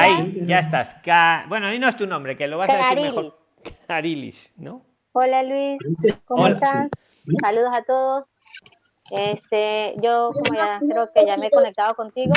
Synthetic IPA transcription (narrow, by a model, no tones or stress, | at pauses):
aiʝaest̪askabwenoaðinoest̪unõmbɾekeloβasaðaɾielois | kaɾilḭs | no | o̞lalwiskomoet̪an | saluðosat̪oðos | est̪eʝo̞komojaðaŋkeɾokeʝameko̞nek̚t̪aðoko̞nt̪iɣo